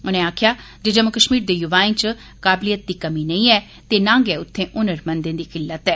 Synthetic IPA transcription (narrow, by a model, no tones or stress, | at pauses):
ʊnẽːaːkʰɪjaː | d͡ʒeːd͡ʒəmːʊkəʃmiːɾd̪eːjʊʋaːĩːt͡ʃ | kaːblijət̪̚d̪iːkəmiːnə̃ĩːɛː | t̪eːnãːŋɡeːʊt̪ʰːẽːʔʊnəɾmənd̪ẽːd̪iːkɪlːət̪ɛː